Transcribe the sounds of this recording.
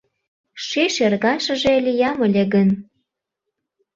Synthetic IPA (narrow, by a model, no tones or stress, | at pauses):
ʃeʃerɣɑʃə̆ʒeəlʲejɑmə̆lʲeɣən